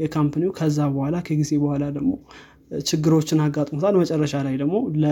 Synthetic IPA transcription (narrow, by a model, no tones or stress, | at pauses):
jɛkʰampʰaniukʰəzːabəhʷalakʰəɡize̞bəhʷalad̪əɡmo̞ | t͡ʃʰɪɡːɨɾo̞t͡ʃːɪnaɡːat̪ʼmot̪ʰalmət͡ʃʼɛrːəʃalajd̪əɡmo̞lə